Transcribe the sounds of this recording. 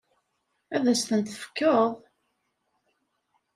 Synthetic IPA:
æðæst̪ənt̪θə̥fkːəðˤ

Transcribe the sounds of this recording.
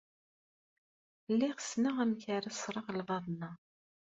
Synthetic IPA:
lːiʁəsnəʁæmçaɾæsˤɾˤəʁlvˤɑðˤnɑ

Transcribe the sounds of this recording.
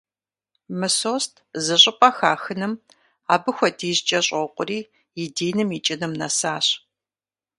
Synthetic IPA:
mɨsoːstʰzɨɕʼɪpʼɐxaːxɨnɨm | aːbɨxʷɐdiːʑt͡ʃʼɐɕʼoqʷʼʊriː | jɪdeːnɨmit͡ʃʼɪnɨmnɐsaːɕ

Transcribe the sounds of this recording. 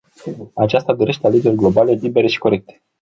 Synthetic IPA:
at͡ʃast̪ad̪o̞ɾe̞ʃt̪eale̞d͡ʒe̞rʲɡlo̞bale̞libe̞ɾe̞ʃi̥ko̞ɾe̞k̚t̪e

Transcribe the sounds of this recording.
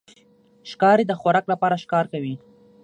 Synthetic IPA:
ʃkɑɾed̪əxwaɾɑklapɑɾaʃkɑɾkawi

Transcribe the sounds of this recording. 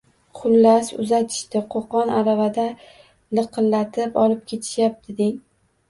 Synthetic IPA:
qʰʊlːasʊ̰zat̪ʰɪ̥ʃt̪ɪqʰoqɒnaɾavad̪a | lɨqʰɨlːat̪ʰɪpɒlɪp̚kʲʰe̞t̪ʰɪ̥ʃjap̚t̪ʰɪd̪ɪŋ

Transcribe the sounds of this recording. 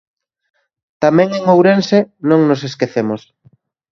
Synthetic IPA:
t̪amɛ̃ŋeŋowɾensenõŋnoseskeθemos

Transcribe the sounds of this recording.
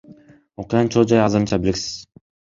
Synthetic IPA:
oqujɑnt͡ʃʰolˠd͡ʒɑjɑzɯɾɯnt͡ʃɑbeilʲiksi̥z̥

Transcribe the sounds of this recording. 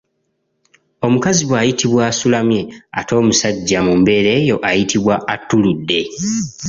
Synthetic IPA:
o̞mukaziβwaːjitiβwaːsulamje̞a̰to̞ːmusaɟːamumbe̞ɾe̞ːjo̞ʔajitʰiβwaʔatːuludːe̞

